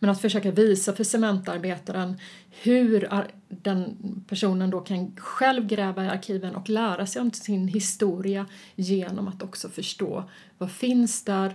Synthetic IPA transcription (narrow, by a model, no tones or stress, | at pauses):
mɛnat̪fœʂøːkaviːsafœsɛmɛnt̪aɾbeːt̪aɾən | hɵɾa | d̪ɛnpʰæʂuːnənd̪okʰanɧɛlvɡɾɛːvaɪa̰ɾkʰiːvənʔɔklæːɾasɛjɔmsɪnɦɪst̪uːɾɪa | jeːnɔ̰mat̪ɔksɔfœʂʈo̰ː | vafɪnsd̪æɾ